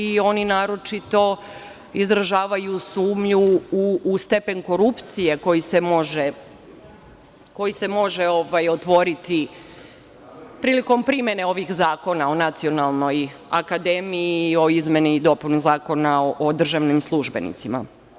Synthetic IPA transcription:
io̞ninaːɾo̞t͡ʃit̪o̞ | izɾaʒaːʋajusuːmʎuː | st̪e̞pe̞nko̞ɾupt̪sije̞ko̞jise̞mo̞ʒe | ko̞jise̞mo̞ʒeo̞ʋajot̪ʋo̞ɾit̪i | pɾiːliko̞mpɾimje̞ne̞o̞ʋixzaːko̞nao̞nat̪sio̞nalˠno̞jakad̪e̞mio̞izme̞nid̪o̞punuzaːko̞naoʔod̪r̩ʒaʋnimslˠuʒbe̞̰nḭt̪sima̰

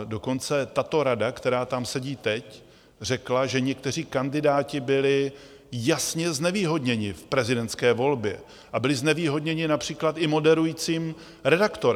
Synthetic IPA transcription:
do̞ko̞nt͡sɛt̪at̪o̞ɾadakt̪ɛɾaːt̪amsɛɟiːt̪ɛc | r̝ɛklaʒɛɲɛk̚t̪ɛr̝iːkandɪdaːcɪbɪlɪ | jasɲɛznɛviːɦo̞dɲɛɲɪfpɾɛzɪdɛnt̪skɛːvo̞lbjɛ | ʔabɪlɪznɛviːɦo̞dɲɛɲɪnapr̝̥iːklat̪ʔɪmo̞dɛɾujiːt͡siːm | ɾɛdakt̪oɾ

